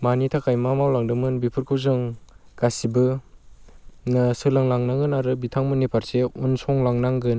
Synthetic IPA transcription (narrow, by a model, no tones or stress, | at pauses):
manitʰakʰajmamawlaŋdɯmɯnbipʰɯɾkʰɯwzɯŋɡ̥asibɯ | nɯsɯlaŋlaŋnaŋɯnaɾɯbitʰaŋmɯnipʰaɾseunsɔŋlaŋnaŋɡɯn